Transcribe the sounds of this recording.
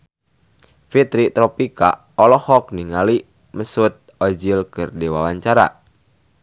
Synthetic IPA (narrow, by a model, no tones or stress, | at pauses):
fit̪ɾit̪ɾɔpika̰ | ɔlɔhɔk̚niŋali | məsʊt̪̚ɔd͡ʒilkərdewawaɲt͡ʃaɾa̰